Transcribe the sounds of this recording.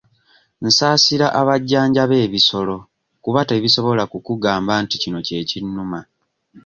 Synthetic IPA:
n̩saːsiɾaʔaβaɟːaːɲɟaβe̞ːβiso̞lo̞ | kuβate̞ːβiso̞βo̞lakukuɡaːmbanticino̞ce̞ːcinːuma

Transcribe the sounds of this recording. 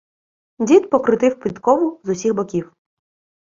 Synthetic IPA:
dʲit̪pɔkɾɪt̪ɪwpʲlʲit̪kɔʋʊzʊsʲiɣbɔkʲiw

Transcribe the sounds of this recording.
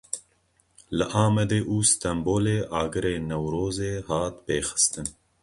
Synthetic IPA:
ləʔaːmɛd̪eːʔuːst̪ɐmboːleːʔaːɡɨɾeːnɐwɾoːzeːhɑːt̪beːxɨ̥st̪ɨn

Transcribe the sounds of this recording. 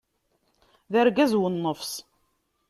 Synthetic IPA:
ðəɾɡæzwənːəfs

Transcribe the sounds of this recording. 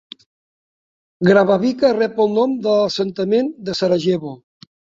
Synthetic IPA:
ɡɾaβaβikarɛpəlˠnomd̪ələsənt̪əmend̪əsaɾaʒeβo

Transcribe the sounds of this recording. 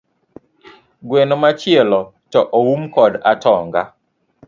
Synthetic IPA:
ɡwenɔmat͡ʃɪɛlɔ | tɔʔowumkɔdatɔŋɡa

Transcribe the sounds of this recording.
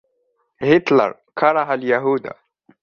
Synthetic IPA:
hit̪lə̰ɾˤ | kʰɑɾˤɑɦaljaɦuːd̪a̰

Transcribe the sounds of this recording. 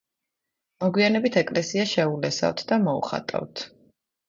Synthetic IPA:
mɔɡwianɛbit̪ʰɛkʼlɛsiaʃɛulɛsa̰vt̪ʰd̪amɔṵχa̰t̪ʼa̰vt̪ʰ

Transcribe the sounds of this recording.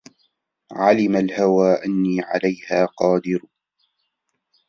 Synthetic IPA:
ʕalɪmalhawaːʔanːiːʕa̰lajhaːqɑːd̪ɪɾ

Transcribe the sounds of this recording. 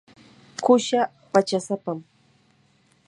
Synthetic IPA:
kʊʃa | pat͡ʃasapam

